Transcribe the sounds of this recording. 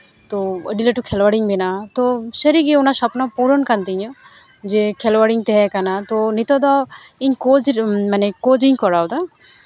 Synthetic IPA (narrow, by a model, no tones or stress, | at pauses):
t̪ɔə̰ɖiləʈukʰɛlwəɽiŋbɛnat̪ɔsəɾiɡɛunasɔpnapɔɾɔnkant̪iɲɔd͡ʒɛkʰɛlwaɽiŋt̪ɛɦɛkanat̪ɔnit̪ɔd̪ɔiɲkɔd͡ʒmanɛkod͡ʒiɲkɔɽawd̪a